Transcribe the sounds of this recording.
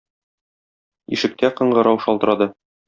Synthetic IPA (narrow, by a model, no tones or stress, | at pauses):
ḭʃɘ̆k̚t̪æqɤ̆ɴɢɤ̆ɾɑwʃɒlˠt̪ɤ̆ɾɑd̪ɤ